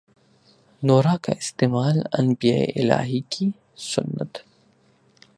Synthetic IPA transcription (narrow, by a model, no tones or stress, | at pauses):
noːɾaka̰ɪst̪eːmaːlɐ̰nbijaːḛʔɪla̰ːɦikʰi | sʊnːə̰t̪